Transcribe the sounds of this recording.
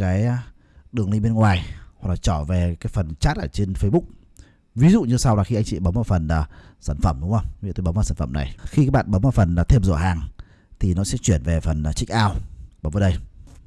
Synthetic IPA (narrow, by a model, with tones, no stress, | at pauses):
kaː˨˦j | ɗɨ˨˩əŋlï˧ŋɓe˧nŋwaː˨˩jhwa˨˩k̚laː˨˩t͡ɕɔ˧˩ve˨˩kaː˨˦jfə˨˩nt͡ɕaː˦˥t̚ʔəː˧˩t͡ɕe˧nfə˧jɓʊ˦˥k͡p̚ | vi˨˦zṵ˧˨ɲɨ˧sa˧wlaː˨˩xi˧ʔa˧jŋt͡ɕḭ˧˨ɓə˨˦mɔː˧˩fə˨˩naː˨˩saː˧˩nfə˧˩mɗʊ˨˦wʔə˧wŋ͡mḭ˧˨t̪oː˨˧˦jɓmaː˨saː˧˩nfə˧˩mna̰˨˩jxi˧kaː˧˦˥ɓa̰ː˧˨nɓə˨˦maː˧˩fə˨˩nː˨˩t̪ʰe˧mzo̰˧˨ɦaː˨˩ŋ | t̪ʰi˨˩nɔ˨˦sɛ̰˧˥t͡ɕwi˧˩ənve˨˩fə˨˩nː˨˩t͡ɕï˦˥k̟̚ʔaː˧wɓəː˨˦wvəː˨˦ɗə˧j